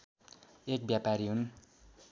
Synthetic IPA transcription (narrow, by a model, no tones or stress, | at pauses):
ek̚bjapaɾiɦun